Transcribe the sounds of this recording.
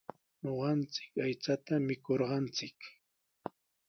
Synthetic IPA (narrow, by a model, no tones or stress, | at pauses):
ɲoɢɑnt͡sɪ̥kajt͡sat̪amɪkoɾɢɑnt͡sɪk